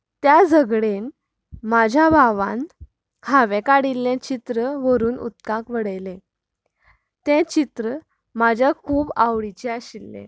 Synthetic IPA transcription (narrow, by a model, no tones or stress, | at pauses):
t̪jad͡zəɡɽen | mad͡ʑʱjabʱaʋã̰n | kʰaʋẽkaɽilːẽt͡ɕit̪ɾəʋəɾuːnṵt̪kãkʋəɽəjlẽ | t̪ɛ̃t͡ɕit̪ɾə | mad͡ʑʱjakʰuːbaʋɽit͡ɕɛaɕilːḛ̃